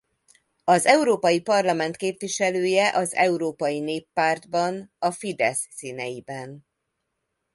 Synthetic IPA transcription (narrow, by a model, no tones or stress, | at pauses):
ɒzɛuɾoːpɒjipɒrlɒmɛnt̪keːpviʃɛløːjɛʔɒzɛ̰uɾoːpɒjineːpːaːrd̪bɒnɒfid̪ɛsːiːnɛjibɛn